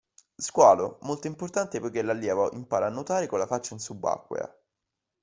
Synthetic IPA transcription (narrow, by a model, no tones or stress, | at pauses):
skwaːlo̰molt̪oimport̪ant̪epojk̟elalːjɛːvaʔimpaːɾaːnːot̪aːɾekonlːafat͡ʃːainsubːa̰kːwḛa̰